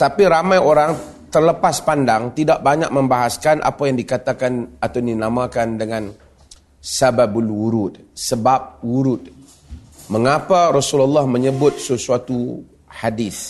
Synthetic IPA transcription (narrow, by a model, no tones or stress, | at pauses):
t̪apiɾamãjoɾaŋ | t̪ərləpaspandaŋt̪idaʔ̚baɲak̚mə̃mbaɦaskanʔa̰pajaŋdikat̪akanat̪awndinamãkandəŋãn | sababulwuɾud̪səbap̚wuɾud̪̚ | məŋapaɾɔsulalːahmə̃ɲəbʊt̪̚səsuat̪u | hadiθ